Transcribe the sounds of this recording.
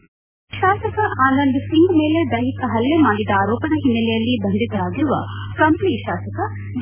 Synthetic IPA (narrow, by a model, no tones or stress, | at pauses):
ʃaːsɐkɐʔaːnɐnd̪siŋɡmeːled̪ɐjɦikɐɦɐlːemaːɽid̪ɐaːɾɔːpɐd̪ɐɦinːɐlɛjɐlːibɐnd̪ʱit̪ɐɾaːɡiɾuʋɐkɐmpniːʃaːsɐkɐ | d͡ʒ